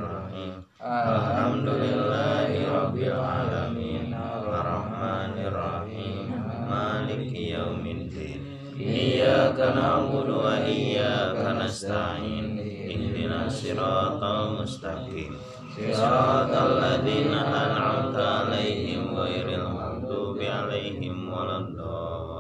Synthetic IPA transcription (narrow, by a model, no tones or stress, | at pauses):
rɑħiːm | ʔalħamd̪ulɪlːaːɦiɾˤɑbːilʕaːlamiːnʔɑrˤːɑħmaːnɪrˤːɑħiːmːaːlɪkjawmɪd̪iːn | ʔijːaːkanaħbʊd̪waʔɪjːaːkanast̪aʕʕiːnʔɪnd̪inaːsiɾɑːt̪ˤamʊst̪aqiːm | sɨɾɑt̪alːaðiːnaʔanʕamt̪aalajɦɪmwajɾɪlmakt̪ubiʕalajɦɪmwalad̪ɑ